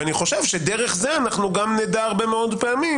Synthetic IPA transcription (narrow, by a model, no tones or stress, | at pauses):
aniχo̞ʃevʃed̪eʁeχzeanaχnuɡamned̪aːʁbemeo̞d̪peami